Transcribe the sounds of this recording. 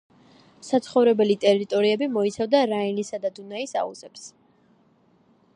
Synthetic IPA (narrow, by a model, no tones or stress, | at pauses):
sat̪sʰχɔvɾɛbɛlit̪ʼɛɾit̪ʼɔɾiɛbimɔit̪sʰavd̪aɾainisad̪ad̪unaisa̰ṵzɛps